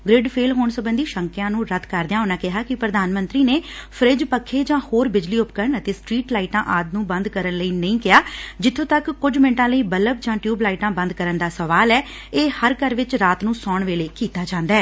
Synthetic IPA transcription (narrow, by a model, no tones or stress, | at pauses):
ɡɾɪɖpʰeːlɦoːɳsəbənd̪iːʃəŋkɪjãːnũːɾət̪ʰkəɾd̪ɪjãːɦoːnaːkɪɦaːkɪpɾəd̪ʱaːnmə̃nt̪ɾiːneːpʰəɾɪd͡ʒpəkʰːeːd͡ʒãːhoːɾbɪd͡ʒliːʊpkəɾɳət̪eːsʈɾiːʈlaːɪʈãːʔaːd̪nũːbə̃nd̪kəɾənləiːnəĩːkɪjaːd͡ʒɪt̪ʰːõːt̪əkːʊd͡ʒmɪ̃ɳʈãːləiːbələb̚d͡ʒãːʈjuːblaːɪʈãːbə̃nd̪̚kəɾənd̪aːsəʋaːlɛː | eːhəɾkəɾʋɪt͡ʃɾaːt̪nũːsɔːɳʋeːleːkiːt̪aːd͡ʒãːnd̪aɛː